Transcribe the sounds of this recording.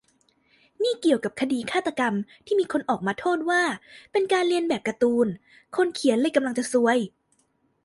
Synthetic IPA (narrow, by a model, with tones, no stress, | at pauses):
niː˥˩ki˨˩əwka˨˩p̚kʰa˧diː˧kʰaː˥˩t̪ːa˧ka˧mt̪ʰiː˥˩miː˧kʰo˧nʔɔː˨˩k̚maː˧t̪ʰoː˥˩t̪̚waː˥˩pe˧nkaː˧nli˧ənbɛː˨˩p̚ka˧t̪uː˧n | kʰo˧nkʰi˨˦ənlɤː˧jka˧mla˧ŋt͡ɕa˨˩su˧əj